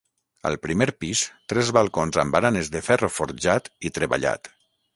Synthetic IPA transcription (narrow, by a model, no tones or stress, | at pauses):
ə̰lˠpɾimeɾpist̪ɾɛzβalˠkonzambaɾanezðefɛrofoɾʒat̪it̪ɾeβa̰ʎa̰t̪